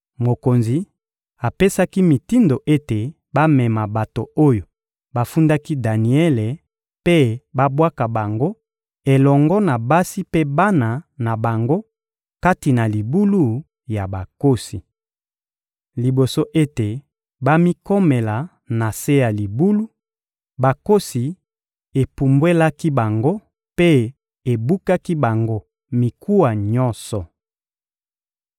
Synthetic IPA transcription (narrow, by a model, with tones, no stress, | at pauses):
mo˨ko˨nzi˨ | a˨pe˦sa˦ki˦mi˨ti˦ndo˨ʔe˦te˨ | ba˦mɛ˨ma˨ba˨to˨o˦jo˨ | ba˦fu˦nda˦ki˦da˨ni˨ɛ˦le˨ | pe˦ba˦bwa˦ka˨ba˨ŋɡo˦ | e˨lɔ˨ŋɡɔ˦na˨ba˦si˦pe˦ba˦na˨na˨ba˨ŋɡo˦ | ka˦ti˨na˨li˨bu˦lu˦ | ja˨ba˨ko˦si˨ | li˨bo˨so˦ʔe˦te˨ | ba˦mi˦ko˦me˨la˨ | na˨se˦ja˨li˨bu˦lu˦ | ba˨ko˦si˨ | e˨pu˨mbwe˦la˦ki˦ba˨ŋɡo˦ | pe˦ | e˨bu˦ka˦ki˦ba˨ŋɡo˦ | mi˨kʰu˦wa˨ɲɔ˦nsɔ˨